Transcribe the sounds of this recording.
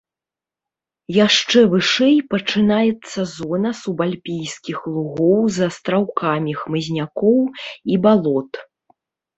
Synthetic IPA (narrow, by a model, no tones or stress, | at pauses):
jaʂt͡ʂɛvɨʂɛjpɐt͡ʂɨnajɛt̪sːɐzɔnɐsubalʲpʲijskʲixlˠuɣɔwzɐst̪ɾawkʰamʲixmɨzʲnʲakɔwibalˠɔt̪